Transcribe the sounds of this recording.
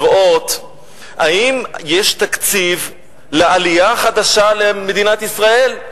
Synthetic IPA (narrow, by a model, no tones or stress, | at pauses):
ʁʔo̞t̪ | aimjeʃt̪akt͡siv | lealiaχad̪aʃalemed̪inat̪isʁae̞l